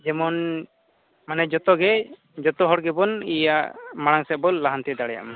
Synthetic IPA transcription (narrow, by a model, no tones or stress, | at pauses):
d͡ʒɛmɔn | manɛd͡ʒɔt̪ɔɡɛ | d͡ʒɔt̪ɔɦɔɽɡɛbɔnijaʔʔmaɽaŋsɛbɔlːaɦant̪ɛd̪aɽɛja̰ʔma